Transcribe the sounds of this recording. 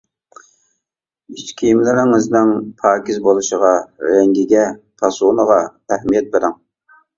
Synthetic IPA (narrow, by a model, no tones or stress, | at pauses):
it͡ʃkʲʰijmlɪɾɪŋɪznɪŋpʰɑːkʲɪzbolˠuʃəʁɑɾɛŋɡʲiɡʲɛpʰɑsunəʁɑæhmijɛt̪̚beɾɪŋ